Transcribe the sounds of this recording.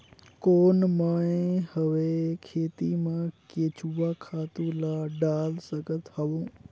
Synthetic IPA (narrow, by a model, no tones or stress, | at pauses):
koːnmãːẽhəʋekʰeːt̪imãkeːt͡ʃʰuʋakʰaːt̪ũlaɖaːlsəɡət̪hɐʋũː